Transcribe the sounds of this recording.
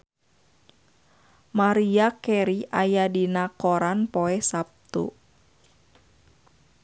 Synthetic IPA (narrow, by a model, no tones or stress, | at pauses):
maɾiakɛɾiʔajadinakoɾanpoɛhsap̚t̪ṵ